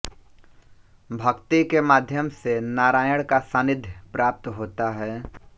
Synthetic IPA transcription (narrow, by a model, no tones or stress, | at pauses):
bʱɐkt̪ikemaːd̪ʱjəmsenaːɾaːjəɽ̃kasãːnɪd̪ʱjpɾaːp̚t̪ɦoːt̪aɦɛː